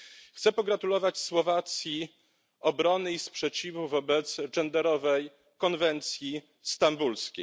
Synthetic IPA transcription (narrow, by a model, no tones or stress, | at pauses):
xt̪sɛpɔɡɾat̪ulɔvat͡ɕswɔvat̪sʲji | ɔbɾɔnɘispʂɛt͡ɕivuvɔbɛt̪sʐɛnd̪ɛɾɔvɛj | kɔnvɛnt̪sʲji | st̪ambulskʲej